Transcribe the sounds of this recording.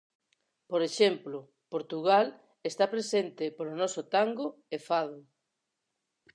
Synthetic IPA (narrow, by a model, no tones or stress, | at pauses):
poɾeʃemplʊ | poɾt̪uɣal | est̪apɾesent̪ɪpolonɔsot̪aŋɡoefað̞ʊ